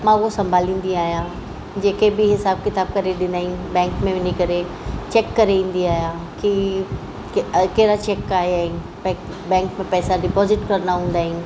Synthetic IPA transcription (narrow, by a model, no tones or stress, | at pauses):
mãːʊɦosɐ̃mbʱaːlĩːn̆d̪iaːɦijã | d͡ʑeːkebɪɦɪsaːb̚kɪt̪aːb̚kɐɾeɗɪnd̪aːɦĩbɛ̃ːŋkmẽʋɪnikɐɾe | t͡ɕɛːkːɐɾeĩːn̆d̪iaːɦjã | ki | keɦɪɾat͡ɕɛːkaːɦeaːɦi | pː | bɛ̃ːkmẽpɛːsaɖɪpɔːzɪʈkɐɾnaɦũːnd̪aːɦĩ